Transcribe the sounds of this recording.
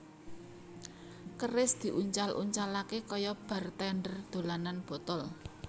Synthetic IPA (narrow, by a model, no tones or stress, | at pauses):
kərɪsd̪̥i̤ʔuɲt͡ʃalʔṵɲt͡ʃalakekɔjɔb̥a̤rt̪ɛɳɖərd̪̥o̤lananb̥ɔ̤t̪ɔl